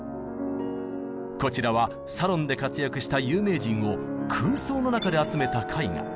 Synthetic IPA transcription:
ko̞t͡ɕiɾaβa | saɾõ̞nd̪e̞kat͡sɨjakɯ̟ɕi̥t̪ajɯːme̞ːd͡ʑĩŋ̃o̞kʰɯ̟ːso̞ːno̞nakad̪e̞at͡sɨme̞t̪akʰaiŋa̰

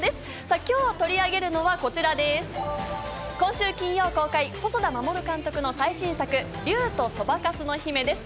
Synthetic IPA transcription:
d̪e̞sɨ̥ | sakʲo̞ːt̪o̞ɾʲiaɡe̞ɾɯ̟no̞βako̞t͡ɕiɾad̪e̞sɨ̥ | kõɕɨːkʲĩɰ̃jo̞ːko̞ːkaiho̞so̞d̪amamo̞ɾɯ̟kãnt̪o̞kɯ̟no̞saiɕĩɰ̃sakɯ̟ | ɾʲɯːt̪o̞so̞bakasɨno̞çime̞d̪e̞sɨ̥

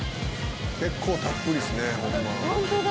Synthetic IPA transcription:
ke̞kʰːo̞ːt̪apːɯɾʲisɨnehõmːa

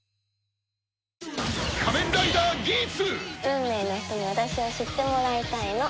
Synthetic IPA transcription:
kʰamẽnd̪ait̪aɡʲit͡sɨɯ̟̃mːe̞ːno̞ç̥t̪o̞ɲ̟iβ̞at̪aɕioɕit̪ːe̞mo̞ɾait̪aino̞

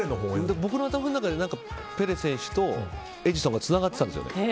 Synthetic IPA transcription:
enoɦoːd̪ebo̞k̬ɯnoat̪amanonakad̪e̞nãŋka | pe̞ɾe̞sẽ̞ɰ̃ɕɨ̥t̪o̞ | e̞d͡ʑisõŋɡat͡sɨnaɡat̪ːeand̪sɨjo̰ḛ

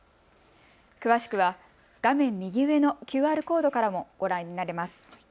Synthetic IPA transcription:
kɯ̟βaɕi̥kɯ̟βa | ɡ̥amẽ̞mːʲiɡʲiɯ̟e̞no̞kʲɨːaːɾɯ̟ko̞ːd̪o̞kaɾamo̞ɡ̥o̞ɾãɲ̟ːinaɾe̞masɨ̥

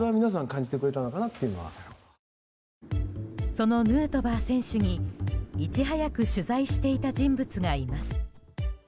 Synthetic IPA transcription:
eβamʲinas̬ãŋkãɲ̟d͡ʑit̪e̞kɯɾe̞t̪ano̞kanat̪ːejɯ̟no̞βa̰ | so̞no̞nɯ̟ːt̪o̞baːsẽ̞ɰ̃ɕɨɲ̟iit͡ɕiɦajakɯ̟ɕɨzaiɕi̥t̪e̞it̪ad͡ʑĩmbɯt͡sɨɡaːɾʲimasɨ̥

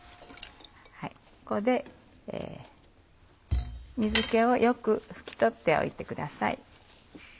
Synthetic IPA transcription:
hai | ko̞d̪e̞ | ḛː | mʲizɨke̞o̞jʔo̞kɯ̟ɸɯ̟̥kʲi̥t̪o̞t̪ːe̞o̞̰ḭt̪e̞kɯ̟d̪asa̰ḭ

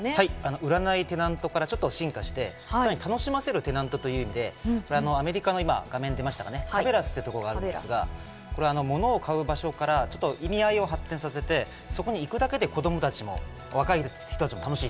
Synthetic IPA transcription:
haiano̞ʔɯ̟ɾanait̪e̞nãnt̪o̞kaɾat͡ɕo̞t̪ːo̞ɕĩŋkaɕi̥t̪e̞ | aɾaɲ̟it̪ano̞ɕimase̞ɾɯ̟t̪e̞nãnt̪o̞t̪o̞jɯ̟imʲid̪e̞ko̞ɾeano̞ame̞ɾʲikano̞ima̰ɡamẽ̞nd̪e̞maɕi̥t̪akane̞abe̞ɾasɨ̥t̪et̪okoɾoɡaːɾɯ̟̃dd̪esɨɡa̰ | koɾe̞ano̞mo̞no̞ːkʰaɯ̟baɕo̞kaɾat͡ɕo̞t̪ːoʔimʲiaio̞ɦat̪ːẽsase̞t̪e̞ | so̞ko̞ɲ̟iːkɯ̟d̪ake̞d̪e̞ko̞d̪o̞mo̞t̪at͡ɕimo̞̰ | βakai | çi̥t̪oat͡ɕimot̪ano̞ɕiː

